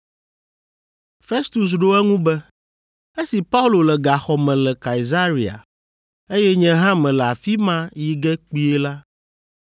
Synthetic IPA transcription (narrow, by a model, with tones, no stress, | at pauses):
fe˦st̪u˨s̬ɖo˦ɛ˦ŋũ˦bɛ˦ | e˦si˨pa˦u˦lo˨lɛ˨ɡa˨xɔ˨mɛ̃˨lɛ˨ka˨i˨za˦ɾi˨a̰˨ | e˦jɛ˦ɲɛ̃˦ɦã˦mɛ̃˨lɛ˨a˨fi˦mã˦ji˨ɡɛ˦k͡pi˦e˦la˦